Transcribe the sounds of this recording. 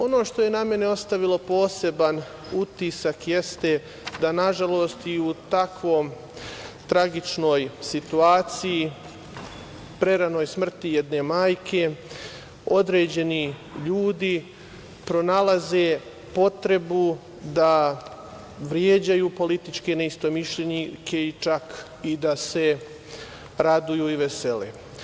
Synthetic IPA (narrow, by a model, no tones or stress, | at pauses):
o̞no̞ːʃt̪o̞je̞name̞neo̞st̪aʋilˠo̞po̞ːse̞ban | ut̪isakje̞st̪e̞ | d̪anaʒalo̞ːst̪iut̪akʋo̞jm | t̪ɾaɡit͡ʃno̞ːjsit̪uaːt̪siji | pɾe̞ɾano̞ːjsmr̩t̪ijed̪ne̞maːjkʰe̞ | o̞d̪ɾe̞ːd͡ʑe̞ni | ʎuːd̪i | pɾo̞nalaze̞ | po̞t̪ɾe̞bu | d̪a | ʋɾjeːd͡ʑajuːpo̞lit̪it͡ʃke̞neist̪omiʃʎeɲikʰeit͡ʃak | id̪ase̞ | ɾad̪ujuiʋese̞lḛ